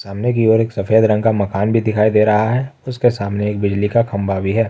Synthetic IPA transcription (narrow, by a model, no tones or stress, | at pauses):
saːmnek̬ioːɾeːksɐfeːd̪ɾɐ̃ŋɡkamɐkaːnbʱid̪ɪkʰaːid̪eːɾɐɦaɦɛːʊskesaːmneeːk̚bɪd͡ʒlikakʰɐ̃mbabʱiɦɛː